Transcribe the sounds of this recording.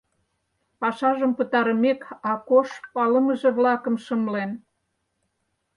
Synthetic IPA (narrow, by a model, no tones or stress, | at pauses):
pɑʃɑʒəmpə̆t̪ɑɾə̆mekɑkoʃpɑləmə̆ʒĕβlɑkə̆mʃəmlen